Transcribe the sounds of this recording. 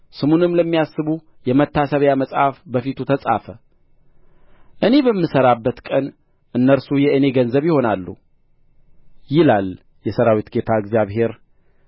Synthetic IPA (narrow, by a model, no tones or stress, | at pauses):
sɨmunɨmləmːijasːɨβu | jɛmət̪ʰːasəβjaməsʼhafbəfit̪ʰut̪ʰəsʼa̰fə | ʔɨne̞bəmːɨsəɾabːət̪kʼən | ʔɨnːəɾsujɛɨne̞ɡənzəβjɪho̞nalːu | jɪlal | jɛsəɾawit̪ɡe̞t̪ʰaɨɡzijaβɦe̞ɾ